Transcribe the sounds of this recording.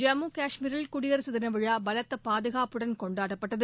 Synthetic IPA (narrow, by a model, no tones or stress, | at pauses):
d͡ʒɐmuːkaːʂmiːɾɪlkʊɽɪɣɐɾɯsɐðɪnɐʋɪɻaːbɐlɐt̪ːɐpaːðɯɣaːpɯɽɐnkɔɳɖaːʈɐpːɐʈːɐðɯ